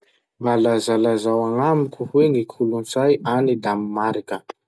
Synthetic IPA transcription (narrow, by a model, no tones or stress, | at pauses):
balazalazawaŋamikʲuhweŋikʰulunt͡sajanid̪amimaɾikə